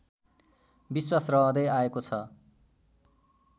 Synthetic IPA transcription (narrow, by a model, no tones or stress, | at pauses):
biswasrʌɦʌd̪ʌjaekot͡sʰʌ